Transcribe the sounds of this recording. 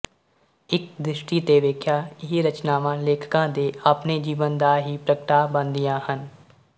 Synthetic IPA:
ɪk̚d̪ɾɪʃʈiːt̪eːʋeːkʰjaːɪɦiɾət͡ʃnaːʋãːleːkʰkãːd̪eːapneːd͡ʒiːʋənd̪aːɦiːpɾəkʈaːbənd̪ɪjãːhən

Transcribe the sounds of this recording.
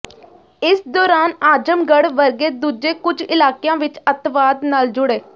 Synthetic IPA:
ɪsd̪ɔːɾaːnaːd͡ʒəmɡəɽʋəɾɡeːd̪uːd͡ʒeːkʊd͡ʒɪlaːkejãːʋɪt͡ʃət̪ʋaːd̪naːld͡ʒʊɽeː

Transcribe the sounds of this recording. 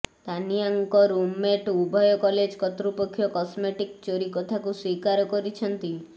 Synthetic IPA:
t̪aniaŋkɔɾumeʈubʱɔjɔkɔled͡ʒkɔt̪ɾupɔkʰːjɔkɔsmeʈikt͡ʃoɾikɔt̪ʰakuswikaɾɔkɔɾit͡ʃʰɔnt̪i

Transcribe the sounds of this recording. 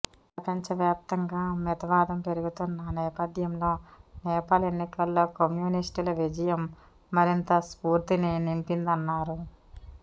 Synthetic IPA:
pɾɐpɐɲt͡ʃɐʋjaːp̚t̪ɐŋɡaːmɛt̪ɐʋaːd̪ɐmpe̞ɾuɡut̪unːanɛːpɐd̪ʱjɐmlo̞ːnɛːpaːlenːikɐlːo̞ːkɐmjuːnisʈilɐʋid͡ʒɐjɐmː | ɐɾint̪ɐspuːɾt̪ininimpind̪ɐnːaːɾu

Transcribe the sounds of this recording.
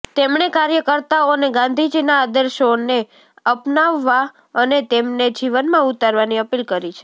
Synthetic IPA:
t̪emɳekaɾjəkəɾt̪aoneɡãnd̪ʱid͡ʒinaːd̪əɾʃone | əpnaʋːa | ənet̪emned͡ʒiʋənmãut̪aɾʋaniəpilkəɾit͡ʃʰe

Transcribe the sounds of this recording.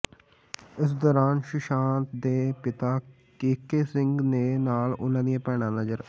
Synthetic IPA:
ɪs̬d̪ɔːɾaːnʃɪʃãːnt̪d̪eːpɪt̪aː | keːkeːsɪŋɡneːnaːlʊnãːd̪ijãːpɛːɽ̃ãːnəd͡ʒəɾ

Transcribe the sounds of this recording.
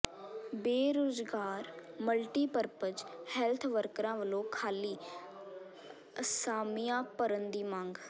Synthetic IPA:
beːɾoːzɡaːɾməlʈiːpəɾpəd͡ʒhɛːlt̪ʰʋəɾkɾãːʋəlõːkʰaːliː | əsaːmɪjãːpəɾənd̪iːmãːŋɡ

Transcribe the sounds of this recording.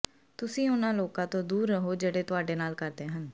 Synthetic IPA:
t̪ʊsĩːʊnãːloːkãːt̪õːd̪uːɾːəɦoːd͡ʒeːɽeːt̪ʊaːɖeːnaːlkəɾd̪eːɦən

